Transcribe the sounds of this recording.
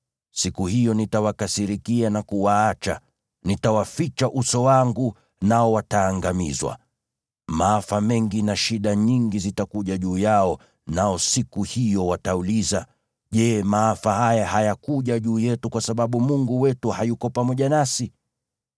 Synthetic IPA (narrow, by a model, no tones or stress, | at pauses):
sikuhijɔnitawakasiɾikianakuwaat͡ʃa̰ | nitawafit͡ʃaʔusɔwaŋɡu | naɔwataːŋɡamḭzwa̰ | maafamɛŋɡinaʃiɗaɲiŋɡizitakuʄaʄuːjaɔ | naɔsikuhijɔwatauliza | ʄɛmaafahajahajakuʄaʄuːjɛtukwasaɓaɓumuŋɡuwɛtuhajukɔpamɔʄanasi